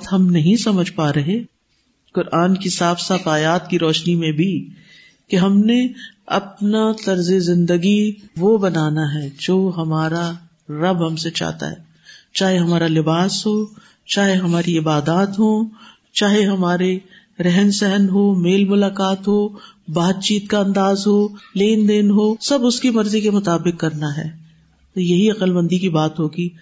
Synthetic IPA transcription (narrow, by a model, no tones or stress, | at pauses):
t̪ɦɐmnɐɦĩsɐməd͡ʒʱpaɾɐɦe | kʊɾʔaːnkisaːfsaːt̪aːjaːt̪̚kiɾɔːʃnimẽbʱi | keɦɐmneɐ̰p̚nat̪ɐɾzezɪ̃nd̪əɡiʋobɐnaːnaɦɛːd͡ʒoːɦɐmaːɾa | ɾɐbɦɐmset͡ʃa̰ːt̪a̰ɦɛ̰ː | t͡ʃaːɦeɦɐmaːɾalɪbaːsɦoː | t͡ʃaːɦeɦɐmaːɾiɪbaːd̪aːt̪ɦoː | t͡ʃaːɦeɦɐmaːɾe | ɾɛɦɛnsɛɦənɦoːmeːlmʊlaːqaːt̪ɦoːbaːt̪̚t͡ʃiːt̪kaɐ̃nd̪aːzɦoːleːnd̪eːnɦoːsɐbʊskimɐɾzikemʊt̪aːbɪqkɐɾnaɦɛ̰ː | t̪ojɐɦiɐqəlmɐ̃nd̪ʱikibaːt̪ɦoːɡiː